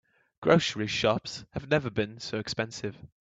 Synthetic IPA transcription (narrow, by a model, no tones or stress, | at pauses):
ɡ̥ɹoʊsəɹiʃɒpshəvnɛvəbɪ̃nsoʊɛkspɛ̃nsɪv̥